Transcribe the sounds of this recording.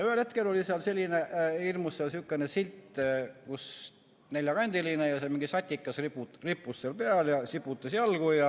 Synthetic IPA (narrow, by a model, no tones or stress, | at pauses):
jɑyhelhe̞t̪ke̞lo̞lʲiseɑlselʲːineirmusːeɑlsykːenesilt̪ːˑkus | ne̞lʲjɑɡ̥ɑnʲd̪̥ilinejɑsemiŋɡisɑt̪ʲːikːˑɑsripuripːˑusːelpeɑljɑsipːˑut̪ːˑɑsjɑlɡ̥ujɑ